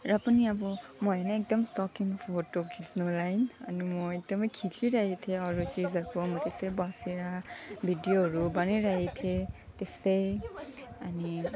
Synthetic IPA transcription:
ɹapuniabɔmɔjanɛɛk̚dɔmsɔkinfʰotːɔkʰisnɔlajna̰nimɔjɛk̚dɔmkʰikʰiɹajitʰɛɔɹut͡ʃizakɔmɔtisebasiɹabʱidijoɹubaniɹajitʰɛtesej | ani

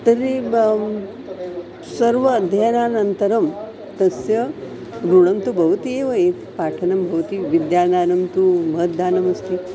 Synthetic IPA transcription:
t̪ɐɾi | sɐɾʋɐd̪ʱjanaːnɐnt̪ɐɾɐm | t̪ɐsjɐ | ɾuɽɐmt̪ubʱɐʋɐt̪ieːʋɐeːt̪paːʈʰɐnɐmbʱɐʋɐt̪iʋid̪jaːnaːnɐmt̪umɐɦət̪̚d̪ʱaːnɐmɐst̪i

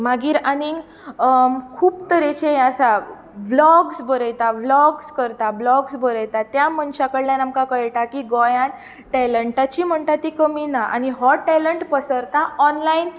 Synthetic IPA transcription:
maɡiːɾani | kʰuːbt̪əɾet͡ɕʰeasa | ʋlɔɡsbəɾəjt̪aʋlɔɡskəɾt̪ablɔɡsbəɾəjt̪at̪jamənɕakəɽljãnamkãkəɭʈakiɡɔjãn | ʈɛləɳʈat͡ɕiːm̤əɳt̪at̪ːikəminaʔa̰niɦɔʈɛləɳʈpəsəɾt̪aɔnlain

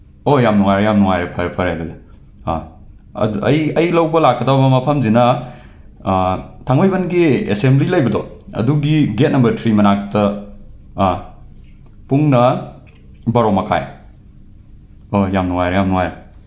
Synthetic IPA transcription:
ojamnuŋajɾejamnuŋajɾepʰɐɾpʰɐɾhajɡɐdɐ | ɐjɐjlɐwbɐlakːɐdabɐbɐmɐpʰɐmzinɐ | tʰaŋbajbɐnɡiḛsemblilɐjbɐdɔɐ̰duɡiɡet̚nɐmbɐɾtʰɾimɐnak̚tɐ | puŋnɐ | bɐɾowmɐkʰa̰j | ojamnuŋajɾɐjamnuŋajɾɐ

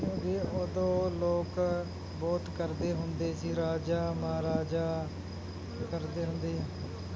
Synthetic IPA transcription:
jõːɡeod̪õːloːk | bɔːt̪kəɾd̪eːɦʊnd̪eːsiːɾaːd͡ʒaːmaːɾaːd͡ʒaː | kəɾd̪eːɦʊnd̪eːɦãː

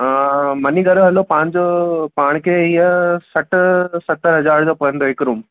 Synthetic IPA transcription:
mɐniɡɐɾoɦɐlːoːpaːɳd͡ʑoːpaːɳkeijɐsɐʈːsɐt̪ːɐɾɦɐd͡ʑaːɾd͡ʑoːpɐjɐnd̪oːɪkɾuːm

